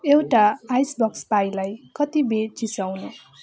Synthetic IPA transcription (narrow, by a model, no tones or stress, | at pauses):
ewʈaːjsbʌkspajlajkʌt̪ibet͡sisawnu